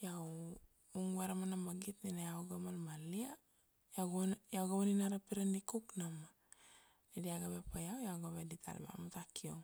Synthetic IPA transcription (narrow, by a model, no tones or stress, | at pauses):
jaw | uŋuaɾamanamaɡitninajawɡamalmalia | jawɡnjawɡamaninaɾapiɾandikuknama | nediaɡabepajawjawɡaβeditʰa̰l̰ba̰matakioŋ